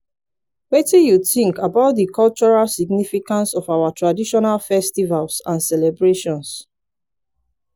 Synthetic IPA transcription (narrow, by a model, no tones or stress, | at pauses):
wetĩjuθĩŋkabaʊt̚dəkʰɔlt͡ʃɔɹalsiɡ̚nifikãnsɔfawatʰɹadiʃɔnalfɛstivalsãnsɛlɛbɹeʃɔ̃ns